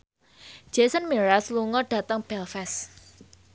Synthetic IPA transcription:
d͡ʒ̥esənmeɾasluŋɔɖ̥ä̤t̪əŋb̥ɛlfɛs

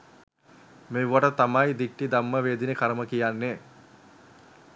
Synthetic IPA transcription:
meʋʋaʈət̪amajd̪ik̚ʈid̪amːəʋeːd̪inekaɾəməkijanːe

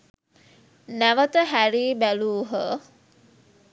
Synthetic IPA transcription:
næʋət̪əɦæɾiːbæluːɦə

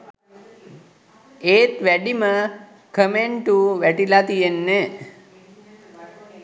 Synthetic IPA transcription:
eːt̪ʋæɖimə | kʰəmeɳʈuʋæʈilat̪ijenːe

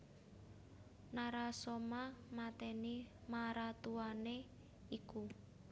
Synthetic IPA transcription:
naɾasomamat̪ɛnimaɾat̪uane | iku

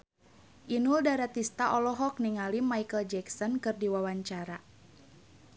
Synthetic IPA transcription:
ʔinuldaɾat̪ist̪aʔɔlɔɦɔk̚niŋalimajkəld͡ʒɛksɔnkɨrdiwawaɲt͡ʃaɾa

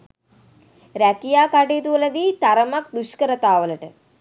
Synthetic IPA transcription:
ɾɐkijaːkaʈeːt̪uɐlɐd̪it̪ɐɾɐmɐk̚d̪uʃkɐɾɐt̪aːʋɐlɐʈɨ

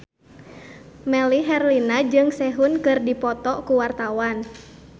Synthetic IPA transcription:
mɛliɦɛrlinad͡ʒɨŋsɛɦunkɨrdipɔt̪ɔkuwart̪awan

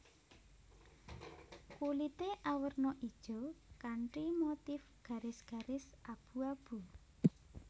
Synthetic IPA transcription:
kulit̪eʔawərnɔʔid̥ʒ̥o̤kaɳʈimot̪ɪfɡ̥a̤ɾɪsɡ̥a̤ɾɪsʔab̥uab̥u

